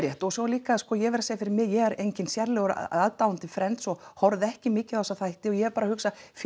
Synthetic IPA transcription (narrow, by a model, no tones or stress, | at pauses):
ɾjɛht̪ɔsɔliːkaskɔjɛvɛɾaseːjafɪɾɪɾmɪðjɛɣɛɾejɲcɪnsjɛɾlɛɣʏɾ̰aðt̪awʏnt̪ɪfɾɛnt̪sɔhɔɾðɛhcɪmɪːcɪθɔsaθajht̪ɪɔjɛɛɾpaːɾahʏksaf